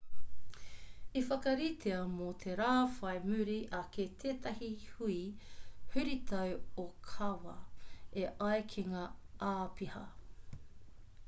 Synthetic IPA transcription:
ifɐkɐɾit̪ʰeɐmot̪ʰeɾaːfɐjmʉɾiʔɐkʰet̪ʰeːt̪ɐhihuihʉɾit̪ʰɐwokʰɐwɐ̰eʔɐjkʰeŋaʔaːpihɐ̰

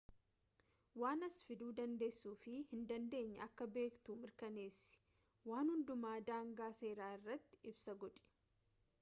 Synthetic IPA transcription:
waːnɐsfɪd̪uːd̪ɐnd̪e̞ːsːuːfɪhɪnd̪ɐnd̪e̞ːɲːɐ̰ɐkːɐbe̞ːkt̪uːmɪɾkɐneːsɪ̥ | waːnhʊnd̪ʊmaːd̪aːŋɡaːse̞ːɾaːɪrːɐt̪ːɪ̥ɪbsɐɡɔᶑ̪ʼɛ̥

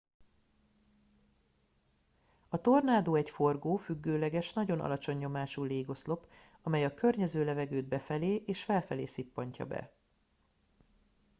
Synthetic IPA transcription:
ɒt̪o̞rnaːd̪oːɛcfo̞rɡoːfyɡːøːlɛɡɛʃnɒɟo̞nʔɒ̰lɒt͡ʃo̞ɲːo̞maːʃuːleːɡo̞slo̞p | ɒmɛjɒkø̞rɲɛzøːlɛvɛɡøːd̪̚bɛfɛleːʔeːʃfɛlfɛleːsipːɒɲcɒ̰bɛ̰

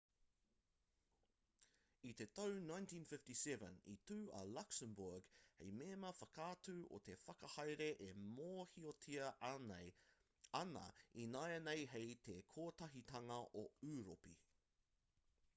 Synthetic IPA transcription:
it̪e̞t̪ownãjntʰĩːnfɪftisɛvə̰nḭt̪ʉːɐ̰laksəmbuɹɡhejmeːmɐfɐkʰaːtʉːʔo̰t̪ʰe̞fɐkɐhɐjɾeʔemoːhiot̪ʰiɐnḛj | ɐnɐ̰inaenejɦejt̪ʰekʰoːt̪ɐɦit̪ɐŋɐʔoʉːɾopḭ

